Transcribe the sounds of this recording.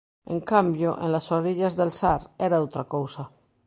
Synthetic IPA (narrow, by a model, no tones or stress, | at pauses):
ḛ̃ŋkambjoʔḛ̃nlasoɾiʎazðelsaɾeɾaowt̪ɾakowsa